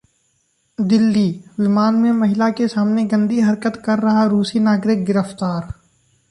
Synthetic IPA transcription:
d̪ɪlːiwɪmaːnmẽmɐɦɪlakesaːmneɡɐ̃nd̪iɦɐɾkət̪kɐɾːɐɦaɾuːsinaːɡɾɪk̚ɡɪɾəft̪aːɾ

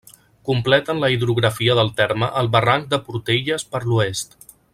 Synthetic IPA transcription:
kumplɛt̪ənləiðɾuɣɾəfiəðəlˠt̪ɛɾməʔəlˠβəraŋk̚d̪əpuɾt̪eʎəspəɾluest̪

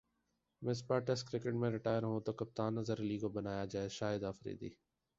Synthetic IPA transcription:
mɪsbaːʈɛskɾɪkɪʈmẽɾɪʈaːjəɾɦũt̪okɐp̚t̪aːnːɐzəɾliːɡobɐnaːjad͡ʒaːeʃaːəd̪aːfɾḭːd̪ḭː

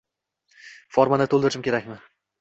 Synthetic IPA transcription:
fɒɾmanat̪ʰolˠd̪ɪɾt͡ʃɪmkʲʰe̞ɾakʲmɪ

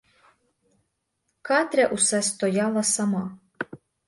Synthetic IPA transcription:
kat̪ʲɾʲaʔusɛst̪ɔjalˠasama

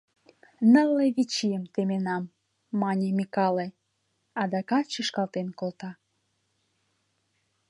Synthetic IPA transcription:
nəleβit͡ɕijəmt̪emenɑmː | ɑnʲemʲikɑle | ɑd̪ɑkɑt͡ɕəʃkɑlt̪enkolt̪ɑ

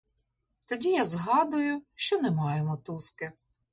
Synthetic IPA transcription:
t̪ɔdʲijazɦɑd̪ʊjʊʃt͡ʃɔnɛmɑjemɔt̪uskɪ

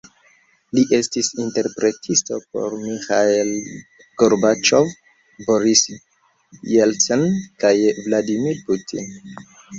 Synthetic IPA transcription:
liʔe̞stisinte̞ɾpɾe̞tʰisto̞po̞̰ɾmixael | ɡ̥oɾbat͡ʃov | boɾis | jelsonkajvladimiɾputʰḭn

